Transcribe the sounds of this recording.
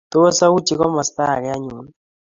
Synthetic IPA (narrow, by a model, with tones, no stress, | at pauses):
t̪o˦sa˦u˦t͡ʃi˨kɔ˦ma˨st̪a˦˨kɛ˨a˦ɲu˨n